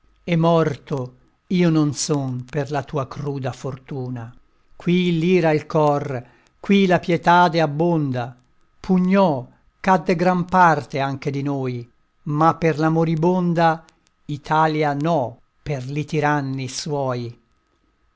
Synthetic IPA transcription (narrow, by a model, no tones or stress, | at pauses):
ɛmːɔrt̪o | iːononsonmperlat̪uːakɾuːd̪afort̪uːna | kwiliːɾailkɔr | kwilapjɛt̪aːd̪eabːond̪a | pʰuɲːɔ | kad̪ːeɡɾampart̪eaŋk̟ed̪inoːj | mapːerlamoɾibond̪a | it̪ʰaːljanɔ | perlit̪iɾanːiswɔːj